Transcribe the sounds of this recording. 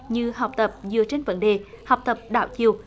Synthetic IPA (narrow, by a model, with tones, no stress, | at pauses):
ɲɨ˧ɦa˨˩wk͡p̚t̪ə˨˩p̚zɨ˨ət͡ɕe˧nvə̰˧˥nɗe˨˩ | ha˨˩wk͡p̚t̪ə˨˩p̚ɗa̰ː˧˩wt͡ɕi˨əw